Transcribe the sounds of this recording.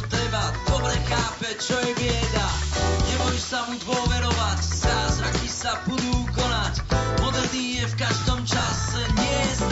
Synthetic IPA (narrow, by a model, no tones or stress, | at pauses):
t̪ɾɛbad̪ɔbɾɛxaːpɛt͡ʃɔjɛbjɛd̪aɲɛmɔjɛʃsamud̪wɔvɛɾɔvaczazɾakisabud̪ukɔnacmɔd̪r̩l̩d̪ijɛfkaʒd̪ɔmt͡ʃasɛɲɛz